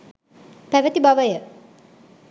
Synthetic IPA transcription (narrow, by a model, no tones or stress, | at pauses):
pæʋət̪ibaʋəjə